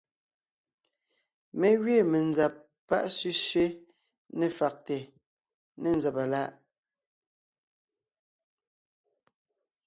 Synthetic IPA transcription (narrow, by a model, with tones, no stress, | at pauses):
me˦ɣɥe˦˨me˨nza˨p̚ː | a̰˦ʔsɥʉ˦ʃɥe˦ | ne˨fa˨k̚te˨ | ne˦˨nd͡zɛ˨pa˨la˦˨ʔ